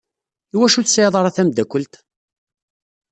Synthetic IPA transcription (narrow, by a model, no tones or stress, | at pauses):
iwæʃut͡ssjðˤəɾˤɑθæmd̪ækʷːəlt̪